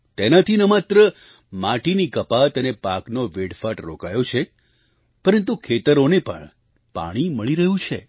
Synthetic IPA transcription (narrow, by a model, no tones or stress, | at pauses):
t̪enat̪ʰinəmat̪ɾə | mãʈinikəpat̪ənepaknoʋeɽfaʈɾo̰kajot͡ʃʰe | pəɾənt̪ukʰet̪əɾonepə̰ɳ | pa̰ɽ̃iməɭiɾəɦũt͡ʃʰḛ